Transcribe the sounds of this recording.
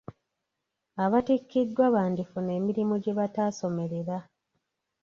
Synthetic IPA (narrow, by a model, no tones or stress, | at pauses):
aβatikːidːwaβaːndifune̞ːmiɾimoɟe̞βataːso̞me̞ɾe̞ɾa